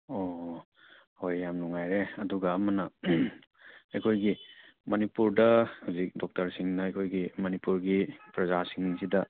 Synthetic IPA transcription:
ɔ | hojːamnɔŋajɾeɐduɡaːmanɐ | ekʰojɡimɐnipuɾdɐhuzik̚dɔk̚tɐɾsiŋnɐekʰojɡimɐnipuɾɡipɾɐzasiŋniŋsidɐ

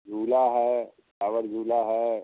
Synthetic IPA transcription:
d͡zʱuːlaɦɛ | saʋəɾd͡zʱuːlaɦɛ

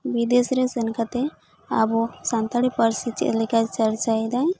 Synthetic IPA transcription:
bid̪esɾɛsɛnkat̪ɛ | a̰bɔsant̪aɽipəɾsit͡ʃɛ̰ʔlɛkat͡ʃaɾt͡ʃajd̪aj

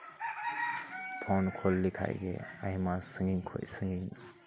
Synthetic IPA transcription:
pʰonkʰolːikʰa̰jɡḛajmasəŋɡiŋkʰo̰jsəŋɡiŋ

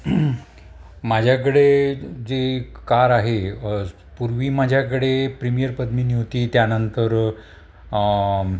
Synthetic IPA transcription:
mad͡ʑʱjak̬əɽed͡zekaɾaɦe | puɾʋiːmad͡ʑʱjakəɽepɾimijəɾpəd̪miːniʋt̪iːt̪janənt̪əɾ

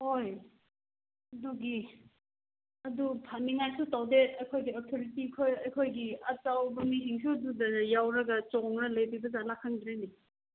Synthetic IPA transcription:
hoj | ɐduɡi | ɐdupʰaniŋajsutawdeɐjkʰojɡiotʰoɾitikʰojɐjkʰojɡiɐtawbɐmisiŋs̬uɐdudɐjawɾɐɡɐt͡ʃɔŋɾɐlɐjbibɐzalakʰːaŋdɾeni

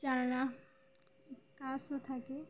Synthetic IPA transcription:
t͡ʃalna | kasoʈ̪ʰake

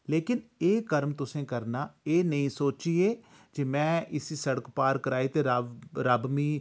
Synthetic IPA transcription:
leːkɪneːkəɾmt̪ʊsẽːkəɾnaːeːnəĩːsoːt͡ʃiːeː | d͡ʒeːmɛ̃ːɪsiːsəɽəkpaːɾkəɾaːiːt̪eːɾɾaːbmiː

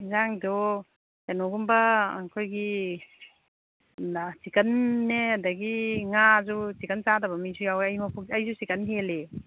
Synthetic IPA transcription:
zaŋdɔ | tenɔɡumbɐːkʰojɡi | asikɐnːeadɐɡiŋazusikɐnt͡ʃadɐbɐmizujawajmɐpʰuk̚ɐjzusikɐnɦele

